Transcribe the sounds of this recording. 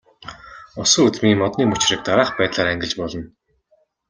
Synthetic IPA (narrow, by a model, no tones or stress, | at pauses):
ɔsʊ̆ːut͡s̪miːmɔt̪niːmɵt͡ɕɪ̆rĭk̚t̪aɾaːχpæːt̪ɮaːɾæŋɡʲɪ̆ɮt͡ɕpɔɮɞ̆n